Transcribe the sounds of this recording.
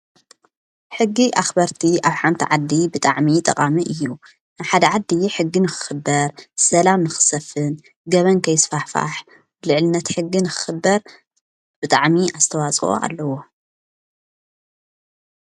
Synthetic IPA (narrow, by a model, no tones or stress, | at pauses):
ħɨɡːiʔaxbɐɾt̪ʰiʔaβħant̪ʰiʕad̪ːibɨt̪ʼaʕmit̪ʼɐqʼamiʔɨjːu | naβħad̪ɐʕad̪ːiħɨɡːinɨxɨ̥xɨbːɐɾsɐlamnɨxɨ̥sɐfɨn | ɡɐβɐnkʰɐjɪsfaħfa̰ħ | blɨʕlɨnːɐt̪ħɨɡːinɨxɨ̥xɨbːɐɾ | b̥ɨt̪ʼaʕmiʔazt̪ʰɐwat͡sʼo̰ʔa̰lːɐwo̞